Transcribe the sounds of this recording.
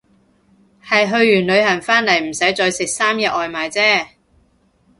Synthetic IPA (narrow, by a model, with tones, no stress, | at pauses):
hɐ˨jɦɵ˧ɥːyː˨˩nlɵ˨˧ɥhɐ˨˩nfaː˥nlɐ˨˩jm̩˨˩sɐ˨˥jt͡sɔː˧jsɪ˨k̚saː˥mjɛː˨˧ʔɔː˨˧jmaː˨˧jt͡sɛː˥